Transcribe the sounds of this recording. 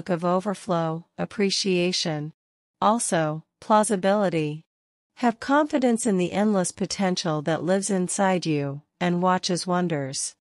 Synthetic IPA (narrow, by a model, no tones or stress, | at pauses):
kʌvoʊvə˞floʊɨpʰɹ̥iʃieɪʃɨ̃n | ʔɔlˠsoʊpʰl̥ɑzɨbɪlˠəɾi | ɨv̥kʰɑ̃ɱfɨɾɨ̃nsɨ̃nðiʔɛ̃ndˡləspʰɨtʰɛ̃nʃl̩ˠðɨʔlɪvzɨ̃nsaɪd͡ʒʉ | ɨ̃nwɑt͡ʃɨzwʌ̃ndə˞z̥